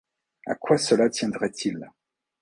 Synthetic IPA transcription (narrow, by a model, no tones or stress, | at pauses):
a̰kwasəlat̪jɛ̃d̪ʁɛt̪ʰil